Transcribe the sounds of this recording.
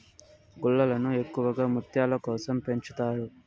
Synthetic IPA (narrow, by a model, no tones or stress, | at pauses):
ɡuɭːɐlɐnue̞kːuʋɐɡaːmut̪jaːlɐkɔːsɐmpe̞ɲt͡ʃut̪aːɾu